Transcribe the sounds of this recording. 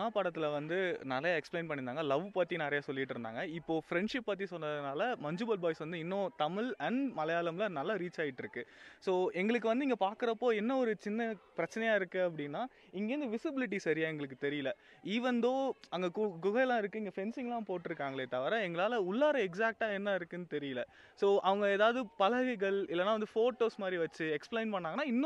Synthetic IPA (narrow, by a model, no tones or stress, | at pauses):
aːpaːɽɐt̪ːɪlɐʋɐnd̪ɯnɐɾɐjaːɛksplẽːnpɐɳːɪnd̪aːŋɡɐlɐʋɯpɐt̪ːinɛɾɐjaːsɔlːɪɪʈːɪɾɯnd̪a̰ːŋɡɐɪpːoːfɾɛɳɖʂɪpːɐt̪̬ːisɔnːɐðɯnaːlɐmɐɲd͡ʒɯbɐlbaːjsʋɐnd̪ɯɪnːõːt̪ɐmɪɭɐɳmɐlɐjaːlɐmlɐnɐlːaɾiːt͡ʃaːjɪʈːɪɾɯkːɯsoːɛŋɡɐɭɯkːɯʋɐnd̪ɯɪŋɡɐpaːɾkɯɾɐpːoːɛnːɐɔɾɯt͡ʃɪnːɐpɪɾɐt͡ʃːɐnɛjaːɪɾɯkːɯɐpːɐɽɪnːaː | ɪŋɡeːɾnd̪ɯʋɪsɪbɪlɪʈ̬ːisɐɾɪjaːɛŋɡɐɭɯkːɯt̪ɛɾɪjɪlɐ | iːʋɐnd̪oːɐŋɡɐɡʊɣɐlãːɪɾɯkːɯɪŋɡɐfɛnsɪŋlãːpoːʈːɪɾɯkːaːŋɡɐɭeːt̪ɐʋɐɾaːɛŋɡɐɭaːlɐʊɭːaːɾɐɛksaːk̚ʈaːɛnːaːɪɾɯkːɯnːɯt̪ɛɾɪjɐlɐ | soːʔɐʋɐŋɡɐeːðaːʋðɯpɐlɐɣɐɪɣɐɭɪlːɐnːaːʋɐnd̪ɯfoːʈːoːsmaːd̪ɾiʋɐt͡ʃːɯɛksplɛɪnpɐɳːaːŋɡɐnːaːɪnːõ